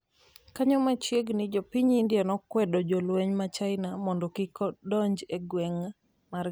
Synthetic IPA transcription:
kaɲɔmat͡ʃjeɡnid͡ʒopiɲindjɛnɔkwɛdɔd͡ʒolweɲmat͡ʃaɪnamɔndɔkikɔdɔɲd͡ʒeɡwɛŋ | mar

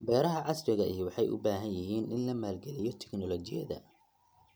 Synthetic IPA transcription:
bɛːɾɐɦɐʕɑsɾɪɣɐʔijɔwɑħɑjʔʊ̰baːɦɐnjɪɦiːnʔɪnlɐmaːlɡɛlɪjɔt̪ʰɛ̥knɔlɔt͡ʃɪjɐ̰ðɐ̰

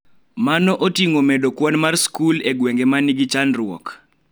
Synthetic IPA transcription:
manɔʔotiŋomedokwɔnmarskuleɡweŋɡemaniɡit͡ʃanrʊɔ̰k

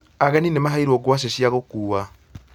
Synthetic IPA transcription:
aɣaninemaɦaiɾoɡwas̬eʃjaɣokuːwa

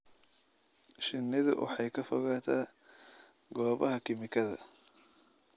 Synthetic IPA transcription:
ʃɪnːɪðʊ̰wʔɑ̰ħɑjkʰɐfɔɣaːt̪ʰaː | ɡɔːβɐɦɐkʰɪmɪkʰɐðɐ̰

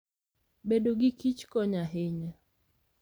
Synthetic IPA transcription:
bedoɡɪkit͡ʃkɔɲaɦeɲa

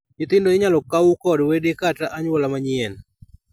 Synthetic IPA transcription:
jɪt̪ɪndoɪɲalɔkawukɔdwedekataʔaɲwɔlamaɲɪɛn

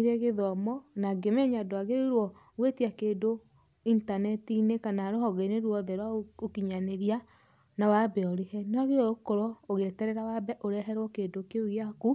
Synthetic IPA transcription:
iɾeɣeðɔmɔnaɡemɛɲadoaɣeɾiɾwɔ | ɣwetiakeːndo | intanɛtinekanaɾohɔɣeneɾwɔðɛɾwaokiɲaneɾia | nawabɛɔɾehɛnɔaɣeɾɔokoɾɔoɣetɛɾɛɾawabɛʔoɾɛɦɛɾwɔkeːdokeuaku

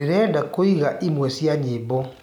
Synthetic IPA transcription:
eɾɛdakoiɣaʔimwɛsjaɲebɔ

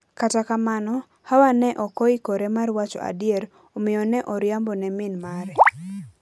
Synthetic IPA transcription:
katakamanɔ | hawanɛʔɔkɔikoɾɛmarwat͡ʃɔ̰a̰djeɾ | omɪjɔnɛʔɔɾjambɔnɛmɪnmaɾɛ

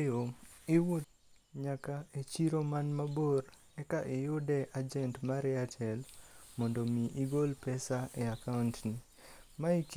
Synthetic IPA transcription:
joɪwot̪ | ɲakaet͡ʃiɾomanmaboɾ | ɛkaʔɪjʊdɛʔad͡ʒɛntmaɾɛatʰɛlmɔndomiʔiɡolpɛsaʔeakaʊntni | maik

